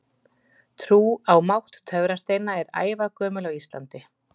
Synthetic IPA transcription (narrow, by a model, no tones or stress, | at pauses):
t̪ʰɾuːawmawht̪t̪ʰœvɾast̪eːjnaɛɾa̰ːjvakœːmʏlawist̪la̰nt̪ɪ